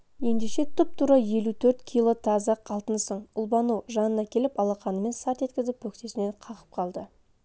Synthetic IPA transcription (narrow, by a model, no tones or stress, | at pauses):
je̞nd̪e̞ʃe̞t̪ʰʊp̚t̪ʰuɾɑje̞lut̪ʰɵɾt̪kʲʰijlˠo̞t̪ʰɑzɑqɑlˠt̪ənsəɴʊlˠbɑnuʒɑnənɑkʲʰe̞lɪpɑlˠɑqɑnəme̞nsɑt̪e̞t̪kʲɪzɪpwɵkt̪e̞sɪne̞ɴqʰɑʁə̥p̚qʰɑlˠd̪ə